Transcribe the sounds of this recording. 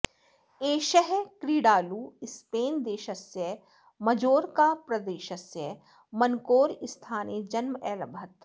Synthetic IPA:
eːʃəɦkɾiːɽaːluːɪspeːnd̪eːʃɐsjə | mɐd͡ʒoːɾkaːpɾɐd̪eːʃɐsjə | mɐnkoːɾɪst̪ʰaːned͡ʒɐnmʔɛːlɐbʱɐt̪

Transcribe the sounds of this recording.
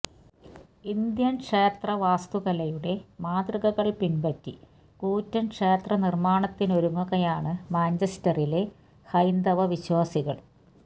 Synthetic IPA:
ind̪jɐnkʂeːt̪rɐʋaːst̪uɣɐlɐjuɽe̞maːd̪rɨɣɐɣɐɭpinbɐtːi | kuːtːɐnkʂeːt̪rɐnirmaːɳɐt̪ːino̞ɾuŋːɐɣɐjaːɳɨmaːnd͡ʑɐstɐrile̞ | hɐjnd̪ɐʋɐʋiɕwaːsiɣɐɭ

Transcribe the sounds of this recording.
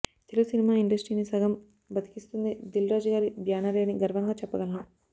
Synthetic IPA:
t̪eluɡusinimaːiɳɖɐsʈɾiːnisɐɡɐm | bɐt̪i̥kist̪und̪id̪ilɾaːd͡ʒɐɡaːɾibʱjaːnɐɾeɐniɡɐɾʋɐŋɡaːt͡ʃɛpːɐɡɐlɐnu

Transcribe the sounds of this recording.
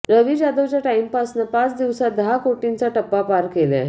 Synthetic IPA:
ɾəʋiːd͡ʑad̪əʋt͡ɕjaʈaimpasnəpat͡sd̪iʋsad̪əɦakoʈint͡saʈəpːapaɾkelḛ

